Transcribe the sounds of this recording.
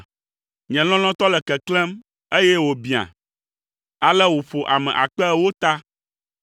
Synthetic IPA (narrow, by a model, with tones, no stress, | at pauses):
ɲɛ̃˨lɔ̃˦l̃ɔ̃˦t̪ɔ˦lɛ˨kɛ˨klɛ̃˦m | e˦jɛ˦wo˨bi˨a̰˨ | a˨lɛ˦wo˨fo˨ʔa̰˨mɛ̰̃˨ʔa̰˨k͡pɛ˦˨wo˦t̪a˦